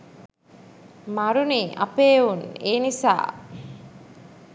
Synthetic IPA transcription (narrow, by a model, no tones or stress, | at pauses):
mɐɾuniːʔɐ̰peːuneːnisa̰ː